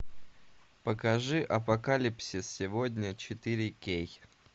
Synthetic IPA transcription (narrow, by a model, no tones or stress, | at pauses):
pəkɐʐɨʔɐpɐkalʲipsʲɪsʲɪvodʲnʲət͡ɕɪt̪ɨɾʲɪkʲej